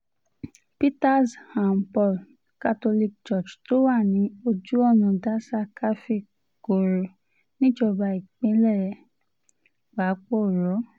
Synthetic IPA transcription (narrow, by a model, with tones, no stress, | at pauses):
pi˦ta˦˨shã˨m˨pɔ˦˨l | ka˦to˧li˦k̚t͡ʃɔ˦˨d͡ʒto˦wa˦˨nĩ˨˦o˧d͡ʒu˦ɔ˦˨nũ˨da˦sa˧kʰa˦fi˦˨ | ko˨ɾo˨ | nĩ˦d͡ʒɔ˧ba˧i˨k͡pẽ˧˦lɛ˦˨ɾɛ˧ | k͡pa˨˦k͡po˦˨ɾɔ˨˦